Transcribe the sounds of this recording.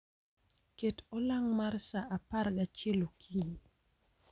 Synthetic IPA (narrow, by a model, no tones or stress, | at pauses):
ketɔlaŋmarsaʔaparɡat͡ʃelokʰini